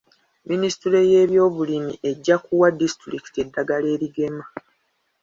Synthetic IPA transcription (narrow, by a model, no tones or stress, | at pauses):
minisi̥tiɾe̞je̞ːβjo̞ːβulimḭʔe̞ɟːakuwadistɾiki̥te̞dːaɡale̞ːɾiɡe̞ma